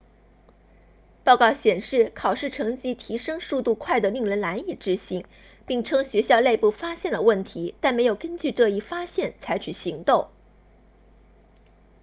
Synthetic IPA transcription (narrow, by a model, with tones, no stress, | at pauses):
pɑ˥˧ʊkɑ˥˩ʊɕjɛ˨˩nʂɻ̩˥˩kʰɑ˨˩ʊʂɻ̩˥˩ʈ͡ʂʰɤ˧˥ŋt͡ɕi˥t̪ʰi˧˥ʂɤ˥ŋʂu˥˧t̪u˥˧kʰwa˥˩ɪd̪ə˩li˥˩ŋɻə˧˥nla˧˥ni˥˩ʈ͡ʂɻ̩˥ɕi˧˥ŋ | pi˥˩ŋʈ͡ʂʰɤ˥ŋɕɥɛ˧˥ɕjɑ˥˧ʊle˥˧ɪpu˥˩fa˥ɕjɛ˥˩nd̪ə˩wə˥˩nt̪ʰi˧˥t̪a˥˩nme˧˥ɪjo˨˩ʊkə˥nt͡ɕy˥˧ʈ͡ʂɤ˥˧i˥˩fa˥ɕjɛ˥˩nt͡sʰa˧˥ɪt͡ɕʰy˨˩ɕi˧˥ŋt̪o˥˩ŋ